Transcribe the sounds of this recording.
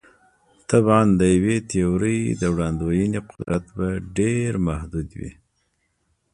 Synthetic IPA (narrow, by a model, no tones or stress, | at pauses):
t̪abɑnd̪əjawet̪eɔɾəjd̪əwɽɑnd̪wojəniqʊd̪ɾʔat̪baɖeɾmahd̪ud̪wḭ